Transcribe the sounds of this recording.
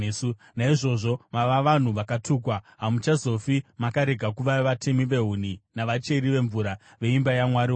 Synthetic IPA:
su | naiʐo̞ʐo̞maʋaʋan̤uʋakatʰuːkwaɦamut͡ʃazo̞fimakaɾe̞ɡʱakuʋaʋatʰe̞miʋe̞ɦun̤inaʋat͡ʃe̞ɾiʋe̞ɱvuɾa | ʋe̞imbajamwaɾio

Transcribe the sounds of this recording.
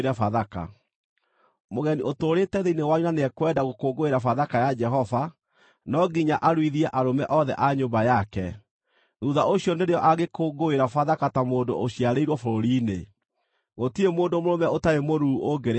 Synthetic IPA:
ɾɛfaðaka̰ | moɣɛniʔotoɾeːtɛðeinewaɲunaneɛkwɛdaɣokoːɡoeɾafaðakajad͡ʒɛɦɔva | nɔɡiɲaʔaɾwiðiɛʔaɾomɛ̰ʔɔðɛ̰ʔaɲombajakɛ | ðuðaoɕiɔneɾeɔʔaɣekoɡoeɾafaðakatamoːndo̰ʔoɕiaɾeiɾwɔfoɾoɾine | ɣotiemoːndomoɾomɛotaɾemoɾuoɡeɾ

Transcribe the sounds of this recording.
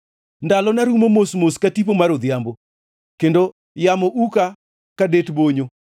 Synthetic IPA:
ndalɔnaɾumomosmoskatip̬omaɾod̪jambo | kendo | jamɔʔuka | kadetboɲo

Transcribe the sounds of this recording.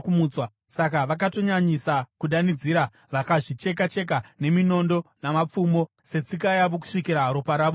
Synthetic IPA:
kumuːt͡swa | sakaʋak̬ato̞ɲaɲisakuɗanid͡ziːɾa | ʋakaʐit͡ʃe̞k̬at͡ʃe̞k̬ane̞mino̞ndo̞namap͡fumo̞ | se̞t͡sikajaʋo̞k̬u̥ʂikiɾaɦaɾo̞paɾaːʋo

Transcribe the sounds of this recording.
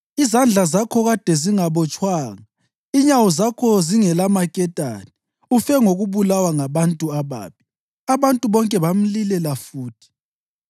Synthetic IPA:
izand͡ɮʱazakʰɔɣad̥ʱɛziŋaβɔt͡ʃʼwaːŋa | iɲawɔzakʰɔziŋɛlamakʼɛtʼa̰ːni | ufɛŋoɣuβulawaŋaβantʼuaβa̰ːpʰi̥ | aβantʼuβɔŋkʼɛβam̩lilɛlafuːtʰi̥

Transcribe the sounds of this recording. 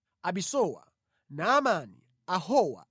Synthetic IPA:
aɓisɔwa̰ | naːmanḭ | ahɔwa̰

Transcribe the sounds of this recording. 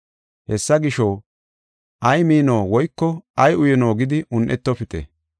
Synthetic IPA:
hɛsːɐɡɪʃow | ʔɐjmiːno̞ːwɔjkːɔʔɐjʊjɛno̞ːɡɪd̪ɪʔʊnʔɛt̪ːɔpɪt̪ɛ̰

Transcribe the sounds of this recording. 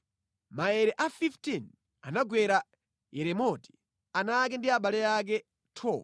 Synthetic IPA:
maɛɾɛʔafiftin | a̰naɡwɛɾa | jɛɾɛmɔti̥ | anak̬ɛndiaɓalɛjak̬ɛ | tʰɔː

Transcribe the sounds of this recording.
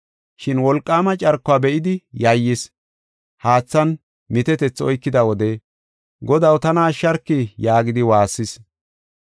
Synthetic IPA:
ʃɪnwɔlkʼːaːmɐt͡ʃʼɐɾkːʊaːbɛʔɪd̪ɪjɐjːɪs | haːt͡sːɐn | mɪt̪ɛt̪ɛt͡sːɔjkːɪd̪ɐwɔd̪e | ɡɔd̪ɐwt̪ɐnaːʃːɐɾkːɪjaːɡɪd̪ɪwaːsːɪs

